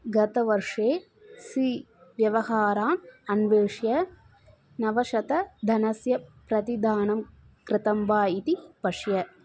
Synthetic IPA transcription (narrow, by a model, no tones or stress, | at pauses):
ɡɐt̪ɐʋɐɾʂeː | siʋjɐʋɐhaːɾaːmɐnʋeːʂjɐ | nɐʋɐʃɐt̪ɐd̪ʱɐnɐsjɐpɾɐt̪id̪aːnɐm | kɾɪt̪ɐmʋaːjit̪ipɐʂjɐ